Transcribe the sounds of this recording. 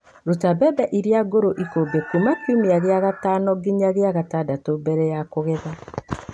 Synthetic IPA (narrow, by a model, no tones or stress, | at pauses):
ɾotabɛbɛʔiɾeaɡoɾoʔikobekumakimeaɣeaɣataːnɔɡiɲaɣeaɣatadatobɛɾɛjakoɣɛða